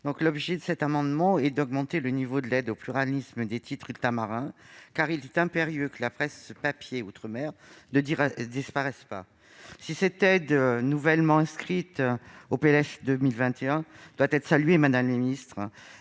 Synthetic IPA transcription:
d̪̥ɔ̃klɔbʒed̪əsɛt̪amɑ̃d̪mɑ̃ɛd̪ɔɡmɑ̃t̪elənivod̪əlɛd̪oplyʁalisməd̪et̪ʰit̪χylt̪amaʁɛ̃kaʁilɛt̪ɛ̃peʁjøkəlapχɛsːəpapjeut̪χəmɛʁnəd̪iɛd̪ispaʁɛspa | sisɛt̪ɛd̪nuvɛlmɑ̃ɛ̃skχit̪opelɛʃd̪əmilvɛ̃t̪eɛ̃d̪̥wat̪ɛt̪χəsalɥemad̪amləmeminist̪χə

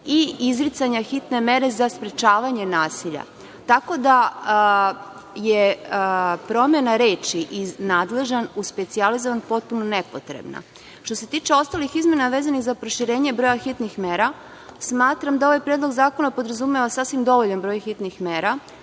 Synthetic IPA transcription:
iizɾit̪saɲaxit̪neme̞ɾe̞zaspɾet͡ʃaːʋaɲe̞naːsiʎa̰ | t̪ako̞d̪a | je | pɾo̞mje̞naɾe̞ːt͡ʃiʔinaːd̪le̞ʒanuspe̞t̪sializoʋanpo̞t̪̚punonepo̞̰t̪ɾḛbna̰ | ʃt̪o̞se̞t̪iːt͡ʃe̞o̞st̪alixizme̞naʋeːzanixzapɾo̞ʃiɾe̞ːɲebɾo̞jaxit̪nixme̞ːɾa | smaːt̪ɾamd̪ao̞ʋajpɾjed̪lˠo̞ɡzaːkonapo̞d̪ɾazumeʋasaːsʋimd̪o̞ʋoʎanbɾo̞ːjxit̪nixme̞ːɾa

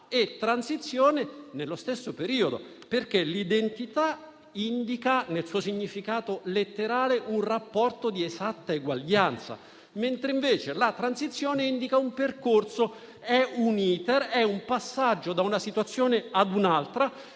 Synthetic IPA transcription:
et̪ːɾansit̪sːjoːnenelːost̪esːopeɾiːod̪o̰ | perk̟elid̪ent̪it̪a | ind̪ikanelsuːosiɲːifikaːt̪olet̪ːeɾaːleʔunrapːɔrt̪od̪iezat̪ːaeɡwaʎːant̪sa̰ | ment̪ɾeiɱveːt͡ʃelat̪ɾansit̪sːjoːneind̪ikaumperkorso | ɛuniːt̪erɛumpasːad͡ʒːod̪aunasit̪wat̪sːjoːnead̪unalt̪ɾa

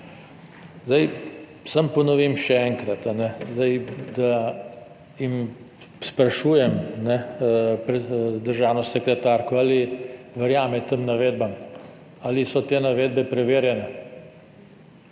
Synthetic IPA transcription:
zd̪aj | sampɔnɔʋimʃɛɛːŋkɾat̪anɛzd̪ajd̪a | jim | spɾaʃuːjɛmnɛpɾɛd̪əɾʒaːwnɔsɛkɾɛt̪aɾkɔaːli | ʋəɾjaːmɛt̪əmnaʋeːd̪bam | alisɔt̪eːnaʋeːd̪̚bɛpɾɛʋeːɾjɛnɛ

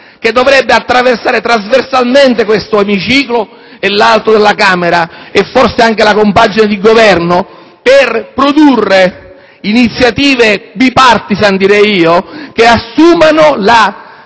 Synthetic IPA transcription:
k̟ed̪ːovɾɛbːeat̪ːɾaversaːɾet̪ɾazversalment̪ekwest̪oemit͡ʃiːklo | elːalt̪od̪elːakaːmeɾaefːorseaŋk̟elakompad͡ʒined̪iɡovɛrno | perpɾod̪urːe | init̪sːjat̪iːvebipart̪isand̪iɾɛjiːokeasːuːmanola

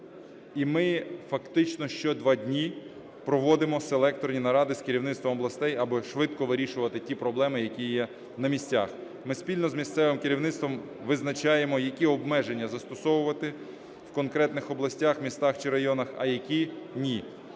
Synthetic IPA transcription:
imɪfɐkt̪ɪt͡ʃnɔʃt͡ʃɔd̪ʋɑdʲnʲi | pɾɔʋɔd̪ɪmɔselˠɛk̚t̪ɔɾnʲinɐɾɑd̪ɪskeɾʲiwnɪt̪st̪ʋɔmɔblˠɐst̪ɛjɐbɪʃʋɪt̪kɔʋɪɾʲiʃʊʋɐt̪ɪtʲipɾɔblˠɛmɪjɐkʲijɛ | nɐmʲisʲtʲa̰x | mɪspʲilʲnɔzmʲist̪sɛʋɪmkeɾʲiwnɪt̪st̪ʋɔm | ʋɪznɐt͡ʃɑjemɔjɐkʲiɔbmɛʒe̞nʲːɐzɐst̪ɔsɔʋʊʋɐt̪ɪ | wkɔnkɾɛt̪nɪxɔblˠɐsʲtʲaxmʲist̪ɑxt͡ʃɪɾɐjɔnɐxɐ̰jɐkʲinʲi

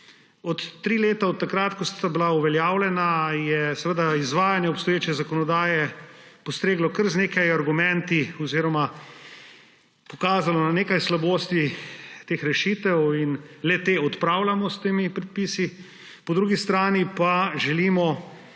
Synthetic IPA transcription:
ɔt̪ːɾiːleːt̪aɔt̪ːakɾat̪kɔsabilauʋɛljaːwlʲɛnajɛsɛʋəd̪aizʋaːjanjɛɔpst̪ɔjeːt͡ʃɛzakɔnɔd̪aːjɛpɔst̪ɾeːɡlɔkəɾzneːkajaɾɡumɛ̃nt̪iɔziːɾɔma | pɔkaːzalɔnaneːkajslaboːst̪it̪eːxɾɛʃiːt̪ɛwinlɛt̪eːɔt̪pɾaːwlamɔst̪eːmipɾɛt̪piːsi | pɔd̪ɾuːɡist̪ɾaːnipaʒɛlimɔ

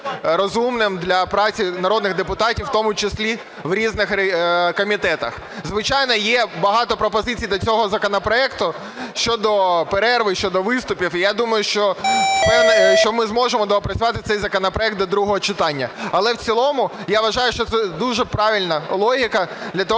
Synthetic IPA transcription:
ɾɔzumnɪmd̪lʲɐpɾɑt͡sʲinɐɾɔd̪nɪɣd̪epʊt̪ɑtʲiwt̪ɔmʊt͡ʃɪsʲlʲi | ʋɾʲiznɪxkɔmʲit̪ɛt̪ɐ̰x | zʋɪt͡ʃɑjnɔjɛbɐɦɑt̪ɔpɾɔpɔzɪt͡sʲijd̪lʲɐt͡sʲɔɦɔzɐkɔnɐpɾɔɛkt̪ʊ | ʃt͡ʃɔd̪ɔpeɾɛrʋɪʃt͡ʃɔd̪ɔʋɪst̪ʊpʲifijad̪umɐjʊʃt͡ʃɔpɛnɛʃt͡ʃɔmɪzmɔʒemɔd̪ɔɔpɾɐt͡sʲʊʋɑt̪ɪt̪ɛjzɐkɔnɐpɾɔɛk̚t̪lɔd̪ɾuɦɔɦɔt͡ʃɪt̪ɑnʲːɐ̰ɐlˠɛwt͡sʲilˠɔmʊjaʋɐʒɑjʊʃt͡ʃɔt̪sɛd̪uʒɛpɾɑʋʲilʲnɐlˠɔɦʲikɐd̪lʲɐt̪ɔ

